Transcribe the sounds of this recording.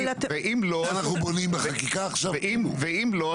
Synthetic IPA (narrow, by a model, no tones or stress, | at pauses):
t̪veʔimloanaχnubonimbeχakikaːχʃavʔimveimlo